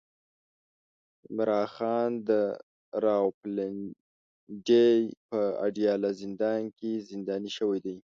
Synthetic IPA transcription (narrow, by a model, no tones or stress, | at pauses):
mɾɑxɑnd̪ə | ɾɑwplɪn | ɖejpəa̰ɖjɑlazɪnd̪ɑnkezɪnd̪ɑniʃəwajd̪aj